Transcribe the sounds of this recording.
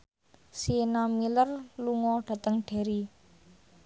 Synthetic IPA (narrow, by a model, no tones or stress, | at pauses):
sienamilərluŋɔɖ̥a̤t̪əŋɖ̥e̤ɾi